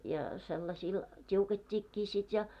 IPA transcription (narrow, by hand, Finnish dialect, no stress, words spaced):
jɑ selːɑsiːl tʲiuketʲːiːkːiː sit jɑ